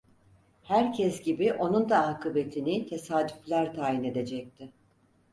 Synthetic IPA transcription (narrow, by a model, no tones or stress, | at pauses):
hæɾcʰɛsɟibiʔo̞nund̪aɦakʰɯbe̞t̪ʰinɪt̪ʰe̞saːd̪yflʲæɾt̪ʰaːjine̞d̪e̞d͡ʒɛc̚t̪ʰɪ